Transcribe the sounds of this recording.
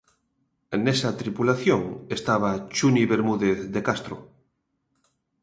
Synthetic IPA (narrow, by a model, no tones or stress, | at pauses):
nesat̪ɾipulaθjoŋest̪aβat͡ʃuniβeɾmuðeθðekast̪ɾo̰